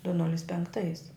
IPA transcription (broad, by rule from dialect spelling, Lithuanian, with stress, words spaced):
dʊ ˈnʊlʲɪs pʲɛŋkˈtɐɪs